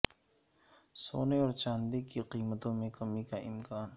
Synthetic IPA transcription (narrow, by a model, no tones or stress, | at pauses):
so̰ːneoɾt͡ʃand̪ikːiqiːmət̪oːmekɐmikaʔɪ̰mkaːn